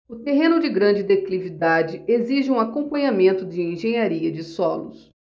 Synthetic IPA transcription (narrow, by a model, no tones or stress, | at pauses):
ʊt̪eɦẽnʊd͡ʒɪɡɾɐ̃nd͡ʒɪd̪eklivid̪ad͡ʒɪeziʒɪũakõmpɐ̃ɲamẽnt̪ʊd͡ʒɪẽʒẽɲaɾiɐd͡ʒɪsɔlʊ̰s